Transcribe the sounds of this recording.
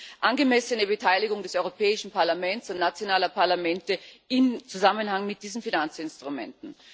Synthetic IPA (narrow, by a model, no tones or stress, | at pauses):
ʔanɡəmɛsənəbətʰaɪlɪɡʊŋdɛsɔʏʁopʰɛːɪʃn̩paɐlamɛnsʊntnat͡sjonaːlɐpʰaɐlamɛntəɪmt͡suzamənhaŋmɪt̚d̥iːzn̩finant͡sɪnstʁ̥ʊmɛ̰ntn̩